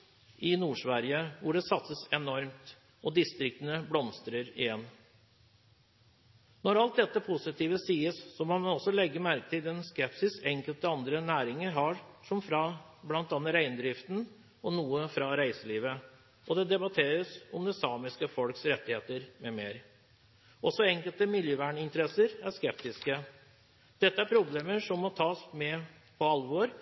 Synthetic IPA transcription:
ɪnuːʂʋæɾɪəʋʊɖɛsɑt̪səsɛnɔɾmt̪ | ɔd̪ɪst̪ɾɪk̚t̪ənəblɔmst̪ɾəɾɪ̰jɛnː | nɔɾɑlt̪̚d̪ɛt̪ːəpʰʊsɪt̪ʰiːʋəsiːəsːɔmɔmɔsːɔlɛɡːəmæɾkət̪ʰɪld̪ɛnskɛpsɪsɛŋkəlt̪əɑnd̪ɾənæːɾɪŋəɾɦɑɾʂɔmfɾɑ | blɑnt̪ɑːnːəɾæɪnd̪ɾɪft̪n | ɔnuːəfɾɑɾæɪsəliːʋə | ʔɔd̪ɛd̪ɛbɑt̪ʰeːɾəsɔmd̪ɛsɑːmɪskəfɔlksɾɛt̪ːɪheːt̪əɾmɛmeːɾ | ʔɔsɔɛŋkəlt̪əmɪljøːʋæːɳɪnt̪əɾɛsəɾæʂkɛp̚t̪ɪskə | d̪̥ɛt̪ːəæɾpʰɾʊbleːməʂɔmːɔt̪ʰɑːsmɛ | pʰɔɑlʋoɾ

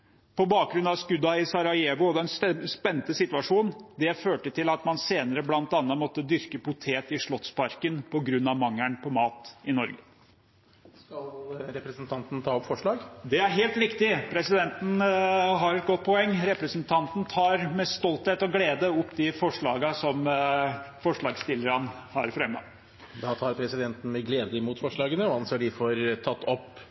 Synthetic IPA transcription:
pʰɔbɑːk̚ɡɾʉnɑʋskʉd̪ːɑɪsɑɾɑɪeːʋʊɔd̪ɛnsspɛnːt̪əsɪt̪ʉɑʂuːnd̪ɛføːʈət̪ʰɪlɑt̪mɑnseːnəɾəblɑnt̪ɑnːəmɔt̪ːəd̪ʏɾkəpʊt̪ʰeːt̪ɪʂɭɔt̪spɑɾkənpʰɔɡɾʉnːɑʋmɑŋːæɳpʰɔmɑːt̪ɪnɔɾɡə | kɑlɾɛpɾəsnt̪ʰɑnt̪n̩t̪ʰɑːɔpfɔʂɭɑːɡd̪ɛæɾɦeːlt̪ʋɪkt̪ɪpʰɾɛsɪd̪ɛnt̪n̩ɦɑɾɛt̪̚ɡɔt̪̚ːpʰɔɛŋːɾɛpɾəsnt̪ʰɑnt̪n̩t̪ʰɑːɾmɛst̪ɔlt̪heːt̪ɔɡleːd̪əɔpːd̪ɪfɔʂɭɑːɡəsɔm | fɔʂɭɑːɡst̪ɪlːəɾɑnhɑ̰ɾfɾɛmɡɑ̰ŋ | d̪ɑːt̪ʰɑːɾpʰɾɛsɪd̪ɛnt̪n̩mɛɡleːd̪əmuːt̪fɔʂɭɑːɡənəɔɑnseːɖɪfɔɾt̪ʰɑt̪ːɔpː

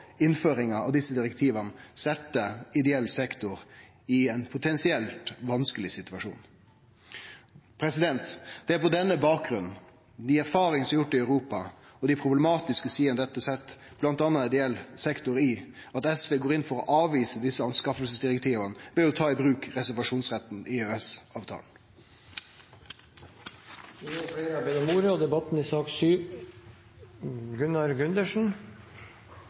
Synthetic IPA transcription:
ɪnføːɾɪŋɑɑ̰ʋd̪ɪsːəd̪ɪɾɛkt̪ʰiːʋənəsɛt̪ːəɪd̪ɛɛlːsɛkt̪ʊɾ | ɪɛɪnpʰʊt̪ʰɛnsɪɛlt̪ʋɑnskəlɪsɪt̪ʉɑʂṵːn | pʰɾɛsɪd̪ɛnt̪d̪̥ɛæɾpɔd̪ɛnːəbɑːk̚ɡɾʉnn̩ | d̪ɪæɾfɑːɾɪŋəsɔmjʊʈːɪœʉɾuːpɑ | ɔd̪ɪpʰɾʊblɛmɑːt̪ɪskəsiːənəd̪ɛt̪ːəsɛt̪ː | b̥lɑnt̪ɑnːɑɪd̪ɛɛlsɛkt̪ʊɾɪɑt̪ɛsʋeːɡoːɾɪnfɔɾɔ̰ʔɑːʋiːsəd̪ɪsːəɑnskɑfəlsəsd̪ɪɾɛk̚t̪ʰiːʋɑnəʋeːʊt̪ʰɑːɪbɾʉːkɾɛsæɾʋɑʂuːnsʁɛt̪ːn̩ɪøɛsɑːʋt̪ʰɑ̰ːl | ɔfɽeːɾbɛnɔmuːɾəɔd̪ɛbɑt̪n̩ɪsɑːksyː | ɡʉnɑɾɡʉnd̪əʂn̩

